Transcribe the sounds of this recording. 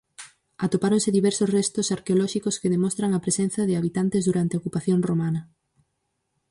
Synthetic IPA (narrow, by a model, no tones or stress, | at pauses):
at̪opaɾõŋsɪðiβɛɾsosrɛst̪osaɾkeolɔʃikoskeðemɔst̪ɾaŋɐpɾesen̟θɐðɪaβit̪ant̪ezðuɾant̪eokupaθjoŋromanɐ